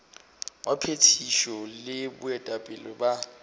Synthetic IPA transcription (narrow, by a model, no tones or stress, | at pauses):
wapʰetʰiʃɔlɪbʊ̰ɛtʼapʼɪlɔba